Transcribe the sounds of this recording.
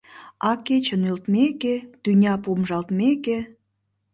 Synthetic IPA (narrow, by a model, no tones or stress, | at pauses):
ɑket͡ɕənylt̪meket̪ynʲɑpomʒɑlt̪meke